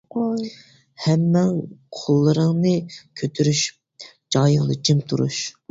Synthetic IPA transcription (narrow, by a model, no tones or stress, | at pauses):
hɛmːɛŋqʰolˠːɨɾɨŋnɨkʲʰøt̪ʰyɾyʃy̥p̚ | d͡ʒɑjɨʁlˠɨ̰d͡ʒʰimt̪ʰuɾṵʃ